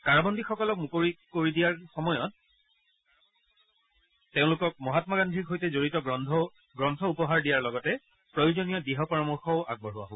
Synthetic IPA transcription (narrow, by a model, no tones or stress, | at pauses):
kaɹabɔndixɔkɔlɔk̚mukoɹikoɹidijaɹxɔmɔjɔt̚ | eʊ̃lʊkɔk̚mɔɦatmaɡandʱikɦojtɛzoɹitɔ | ɡɹɔntʰɔupɔɦaɹdijaɹlɔɡɔtɛ | pɹojʊzonijɔdiɦɔpɔɹamɔɹxɔʊʔa̰ɡ̚bɔɹɦʊa̰ɦo